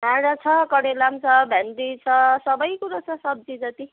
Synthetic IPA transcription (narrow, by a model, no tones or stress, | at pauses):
ɦãɾat͡sʰʌkʌɽelamt͡sʰʌbʱand̪it͡sʰʌsʌbʌjkuɾat͡sʰʌsʌb̚d͡zid͡zʌt̪i